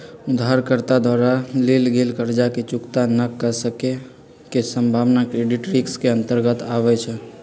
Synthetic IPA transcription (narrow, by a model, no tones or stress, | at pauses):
ud̪ɦaɾkəɾt̪ad̪ʱwaɾalelɡelkəɾd͡ʒaket͡ʃukt̪anəkːəsəke | kesəmbʱaʋnakɾeɖiʈɾikskeənt̪əɾɡət̪aβɛt͡ʃʰɛ